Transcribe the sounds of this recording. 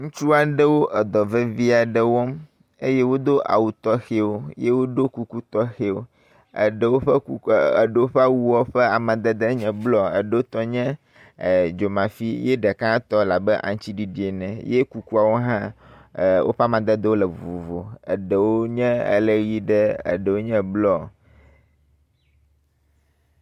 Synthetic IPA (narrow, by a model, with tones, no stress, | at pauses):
ŋũ˦t͡ʃu˦a˨ɖə˦wo˦ʔɛ˨d̪ɔ˨ve˦vi˦a˨ɖə˦wɔ˦m | e˦je˦wo˦d̪o˦ʔa̰˨wu˨t̪ɔ˦xe˦wo˦je˦wo˦ɖo˦ku˦ku˦t̪ɔ˦xe˦wo˦ | ə̰˨ɖə˨wo˦ɸɛ˦˨ɖə˨wo˦ɸa˦wu˦wɔ˦ɸɛ˦a˨mã˨d̪ɛ˦d̪e˦ɲɛ̃˨blɔ˨ə̰˨ɖə˨wo˦t̪ɔ˦ɲɛ̃˦˨ | d͡ʒo˨mã˨fi˦je˦ɖɛ˨kã˦t̪ɔ˦la˨bɛ˦ʔã̰˨ŋ˦t͡ɕi˦ɖi˦ɖi˨e˨nɛ̃˨je˦ku˦ku˦a˨wo˦ɦã˦˨ | wʔo̰˦ɸa˦˨mã˨d̪ɛ˦d̪ə˦wo˦lɛ˨vu˨vo˨ə̰˨ɖə˨wo˦ɲɛ̃˦ə̰˦˨le˨ɣi˦ɖɛ˦ə̰˨ɖə˨wo˦ɲɛ̃˦blɔ˦˨